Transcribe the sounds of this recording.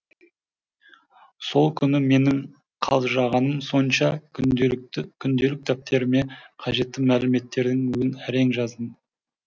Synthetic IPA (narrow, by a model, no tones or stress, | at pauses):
so̞lˠkʲʰʏnɪme̞nɪŋ | qʰɑlˠʒɑʁɑnəmso̞nʃɑ | kʲʰʏnd̪e̞lɪk̚ʲɪt̪ʰæp̚t̪ʰe̞ɾme̞qʰɑʒe̞t̪ːɪmælɪme̞t̪ːe̞ɾd̪ɪŋwɵzɪnæɾe̞ŋʒɑzd̪ən